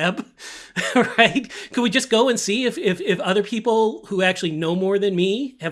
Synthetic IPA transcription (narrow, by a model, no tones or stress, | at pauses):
ɛb | ɹaɪt̚kʰʌd̚wid͡ʒʌsɡ̥oʊɨ̃nsiɪfɪfɪfʌðə˞pʰipl̩ˠhuæk̚t͡ʃʉl̩ˠinoʊmɔɹðɨ̃nmiɨv